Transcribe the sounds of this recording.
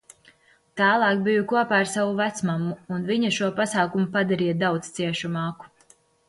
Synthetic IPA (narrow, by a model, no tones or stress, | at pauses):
t̪æːlˠɑːkbijukuɔpaːaɾsavuvæt̪smamːuːnviɲaʃuɔpasaːkumupad̪aɾijad̪awt̪st̪siɛʃumɑːku̥